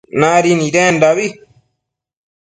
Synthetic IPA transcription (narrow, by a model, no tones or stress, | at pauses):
naːɾiniɾɛːndaβi